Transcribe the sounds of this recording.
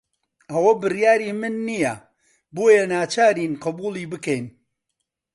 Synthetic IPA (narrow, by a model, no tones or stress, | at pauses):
ɐwɐbɨrjaːɾiːmɨnːijɐ | boːjɐnaːt͡ʃaːɾiːnqɨbuːlˠiːbɨkɛjn